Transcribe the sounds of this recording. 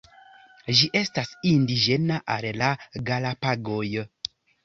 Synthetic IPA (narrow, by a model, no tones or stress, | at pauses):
ʒiʔe̞stasindid͡ʒe̞naʔallaɡalapaɡo̞j